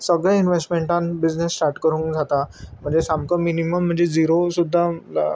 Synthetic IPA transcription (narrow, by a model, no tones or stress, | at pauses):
səɡɭeinʋesʈmeɳʈãnbid͡znesːʈaɾʈkəɾũːŋkd͡zʱat̪am̤əɳd͡zesamkəminiməm̤ːəɳd͡zed͡ziɾosud̪ʱːala̰